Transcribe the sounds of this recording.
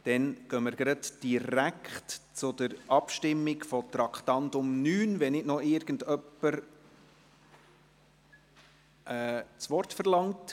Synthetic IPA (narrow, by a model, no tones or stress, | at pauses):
d̥ɛnɡ̥œməɾɡ̥ɾɑdd̥iɾækχtt͡sʊdəɾʔɑpʃtɪmːɪɡfɔt̪ɾɑkχt̪ɑntʊmnyːnʋɛnɪtnɔɪɾɡ̥ən̩dœpːəɾ | ʔɛt͡sʋɔrtfəɾlɑŋt